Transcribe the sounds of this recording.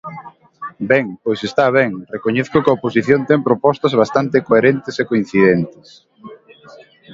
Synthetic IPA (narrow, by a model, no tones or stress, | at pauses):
bɛŋpojsest̪aβ̞ɛŋrekoɲeθkokɐoposiθjõnt̪ɛŋpɾopɔst̪ɐzβ̞ast̪ant̪ɪkoeɾent̪ɪsekoĩn̟θiðɛnt̪ɪs